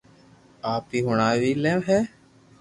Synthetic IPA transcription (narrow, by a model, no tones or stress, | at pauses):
aːpiːɦʊɳaːʋiːleːʋɦɛː